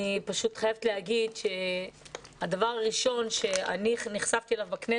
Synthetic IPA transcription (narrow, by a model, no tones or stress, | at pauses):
ipaʃut̪χajavet̪lehaɡidʃe̞ | had̪avaʁaʁiʃo̞nʃe̞a̰niniχsavt̪ielavbakne